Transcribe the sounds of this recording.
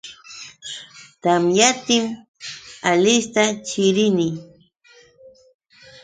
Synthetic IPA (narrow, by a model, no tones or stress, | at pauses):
t̪amjat̪ɪm | alɪst̪at͡ʃɪɾɪnɪ